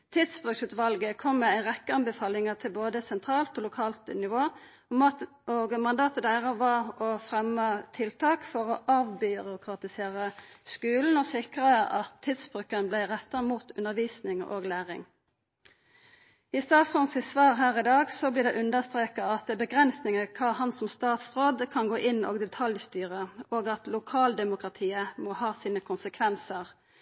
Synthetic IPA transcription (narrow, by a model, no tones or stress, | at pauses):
t̪ʰɪd̪sbʁʉksʉːt̪ʋɑlɡəkʰɔmːɛæɪʁɛkːəɑnbɛfɑːlɪŋəʁt̪ʰɪlboːd̪əsɛnt̪ʰʁɑːlt̪oːlʊkʰɑːlt̪nɪʋoː | oɡmɑnd̪ɑːt̪əd̪æɪʁəʋɑɔfʁɛmːət̪ʰɪlt̪ʰɑːkfɔʁɔʔɑːʋbʏʁʊkʰʁɑt̪ɪseːʁəskʉːln̩ɔsɪkʁəəʔɑt̪ʰːɪːd̪sb̥ʁʉkənəblæɪʁɛt̪ːəmuːt̪ʉ̰nəʁʋiːsnɪŋo̰ːɡlæːʁɪ̰ŋ | iːst̪ɑːt̪sʊnsɪsʋɑːʁɦæːʁɪd̪ɑːɡsɔbliːd̪ɛʔʉnd̪əst̪ʁeːkɑɑt̪̚d̪ɛbəɡʁɛnsnɪŋəkʰɑːhɑnsɔmst̪ɑːt̪sʁoːd̪kʰɑnɡoːʔɪno̰ːɡd̪ɛt̪ʰɑljst̪yːʁəoːɡɑt̪lʊkʰɑːld̪ɛmʊkʁɑt̪ʰiːəmɔhɑːsiːnəkʰʊnsəkʰʋɛnsəʁ